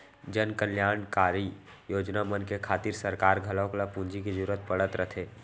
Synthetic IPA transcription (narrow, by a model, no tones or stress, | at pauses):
d͡ʒənkəljaːɳkaːɾi | joːd͡ʒnamənkekʰaːt̪iɾsəɾkaːɾɡʱəlãklapũnd͡ʒikid͡ʒʊːɾət̪̚pəɽət̪ɾət̪ʰeː